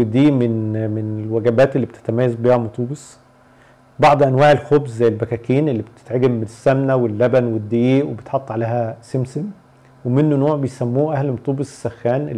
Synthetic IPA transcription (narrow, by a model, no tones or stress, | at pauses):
ed̪iːmenmenelwæɡæbæːt̪elːiːbet̪e̥t̪æmæːjːæzbiːhæmɑt̪ˤuːbesˤ | bɑʕd̪ˤʔænwaːʕelxobzzæjːælbækæːkiːnelːiːbet̪e̥t̪ʕeɡemːenesːæmnæwelːæbænwed̪ːejeːʔwebet̪ħɑt̪ˤːʕalæːhæsemsem | wemenːonoːʕbejsæmːuːʔæhlmɑt̪ˤuːbesˤsæxːæːnʔe